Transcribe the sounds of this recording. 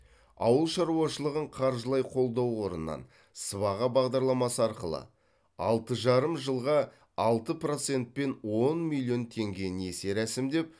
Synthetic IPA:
ɑ̰wəlˠʃɑɾuɑʃəlˠəʁəɴqʰɑɾʒəlˠɑjqʰo̞lˠd̪ɑwwo̞ɾə̰nəːɑ̰n | səβɑʁɑbɑʁd̪ɑɾlˠɑmɑsəɑɾqəlˠə̰ | ɑ̰lˠt̪əʒɑɾəmʒəlˠʁɑ | ɑlˠt̪əpro̞t̪se̞nt̪̚pe̞nwo̞nmilʲˠːjo̞nt̪ʰe̞ŋɡʲe̞ne̞se̞ɾæsɪmd̪e̞p̚

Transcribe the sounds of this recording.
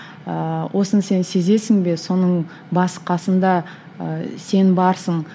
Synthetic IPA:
əwʔo̞sənse̞nse̞ze̞sɪŋbe̞so̞nəɴ | bɑsqɑsənd̪ɑ̰ | se̞nbɑɾsəɴ

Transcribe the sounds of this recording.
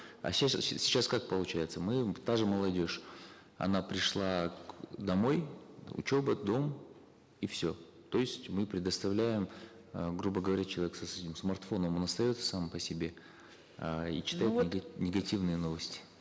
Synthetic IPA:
ɐ̰sʲassʲɪ̥t͡ɕaskak̚pəlˠʊt͡ɕæjɪt̪səmɨt̪aʐɨməlˠɐdʲo̞ʂ | ɐ̰n̪apɾʲɪʂlˠakd̪ɐmo̞jʊ̰t͡ɕo̞bəd̪o̞m | ifsʲo̞ | t̪o̞ɪsʲtʲmɨpɾʲɪd̪əst̪ɐvlʲæjɪm | ɡɾubəɡəvɐɾʲæt͡ɕɪlˠɐeksɐsɛtʲɪmsmɐrt̪fo̞nəmo̞nɐst̪ɐjo̞t̪sə̥sampəsʲɪbʲe̞ | ḭt͡ɕɪ̥t̪ajɪtnʲɪɡɐtʲivnɨjəno̞vəsʲtʲɪ̥

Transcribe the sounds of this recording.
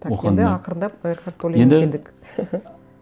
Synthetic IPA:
t̪ʰaoɑnd̪ɪɑqəɾənd̪ɑpəeɾqɑɾt̪ʰːolˠeend̪end̪ɪk

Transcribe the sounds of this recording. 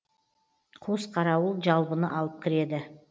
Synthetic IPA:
qʰosqʰɑɾɑwəlˠʒɑlˠbənəʔɑlˠəp̚kʲʰɪɾe̞d̪ɪ

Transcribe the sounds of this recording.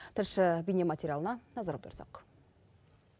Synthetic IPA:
t̪ʰɪɾʃɪbijnemat̪ʲeɾʲjalˠənɑnɑzɑɾɑpt̪ʰʊɾsɑ̰q

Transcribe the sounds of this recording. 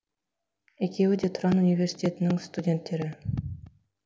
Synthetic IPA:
ekʲewɘd̪ʲet̪uɾɑnunʲivʲersʲi̥tʲet̪ɘ̆nɪŋst̪udʲent̪ʲːeɾʲɘ

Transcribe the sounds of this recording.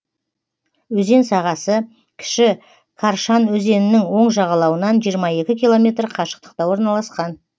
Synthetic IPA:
wɵze̞nsɑʁɑsə | kʲʰɪ̥ʃɪ | kʰaɾʃɑnwɵze̞nɪnɪŋwo̞ɴʒɑʁɑlˠɑwənɑnʒijəɾmɑje̞kʲɪkʲilˠo̞mʲe̞t̪rqʰɑʃə̥q̚t̪ə̥q̚t̪ɑwo̞ɾnɑlˠɑsqɑn

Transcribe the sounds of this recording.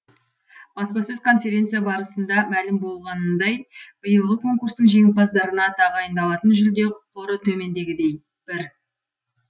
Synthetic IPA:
b̥ɑspɑsɵzkʰo̞nfʲe̞ɾʲe̞nt̪sijabɑɾəsənd̪ɑmælɪmbo̞lˠʁɑnəd̪ɑjb̥əjəlˠʁəkʰo̞ŋkurst̪əɴʒe̞ŋɪl̚bɑzd̪ɑɾənɑt̪ʰɑʁɑjənd̪ɑlˠɑt̪ənʒʏld̪e̞qʰoɾət̪ʰɵme̞nd̪e̞ɡʲɪd̪e̞j | b̥ɪɾ

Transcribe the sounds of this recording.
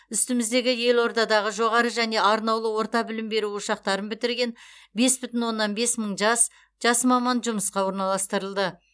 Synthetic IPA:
ʏst̪ɪmɪzd̪e̞ɡʲɪje̞lˠwo̞ɾd̪ɑd̪ɑʁəʒo̞ʁɑɾəʒæne̞ɑɾnɑwlˠəwo̞ɾt̪ɑbɪlɪmbe̞ɾuʊʃɑq̚t̪ɑɾənbɪt̪ɪɾɡʲe̞nbe̞sbʏt̪ɪnwo̞nːɑnbe̞sməɴʒɑs | ʒ̥ɑsmɑmɑnʒʊməsqɑwo̞ɾnɑlˠɑst̪əɾəlˠd̪ə

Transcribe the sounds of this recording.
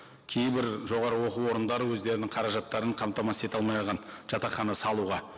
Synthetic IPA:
kʲʰe̞jbɪɾʒo̞ʁɑɾəwo̞quwo̞ɾənd̪ɑɾəwɵzd̪e̞ɾɪnɪŋqʰɑɾɑʒɑt̪ːɑɾəɴqʰɑmt̪ɑmɑse̞t̪ɑlˠmɑjʁɑnʒ̥ɑt̪ɑχɑnɑsɑlˠuʁɑ

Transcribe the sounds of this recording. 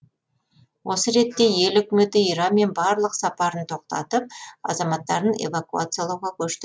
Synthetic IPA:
wʔo̞səɾe̞t̪ːe̞je̞lʏkʲɪme̞t̪ɪijɾɑme̞nbɑɾlˠəqsɑpɑɾənt̪ʰo̞q̚t̪ɑ̰t̪əp̚ɑ̰zɑmɑt̪ːɑɾəne̞̰vakua̰t̪sɨjalˠɑwʁɑkʲʰɵʃt̪ɪ

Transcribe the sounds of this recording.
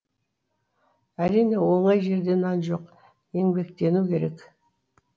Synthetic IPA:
æɾijne̞wo̞ɴɑjʒe̞ɾd̪e̞nɑnʒo̞q | e̞ŋbe̞kt̪e̞nukʲe̞ɾe̞k

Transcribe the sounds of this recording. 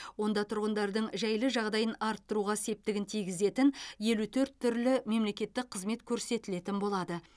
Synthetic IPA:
wo̞nd̪ɑt̪ʰʊɾʁənd̪ɑɾd̪əɴʒæjlɪʒɑʁd̪ɑjənɑɾt̪ːəɾuʁɑse̞p̚t̪ɪɡʲɪnt̪ʰijɡʲɪze̞t̪ɪnje̞lut̪ʰɵɾt̪ʰːʏɾlɪme̞mle̞kʲe̞t̪ːɪk̚qʰəzme̞t̪kʲʰɵɾse̞t̪ɪle̞t̪ɪnbo̞lˠɑd̪ə

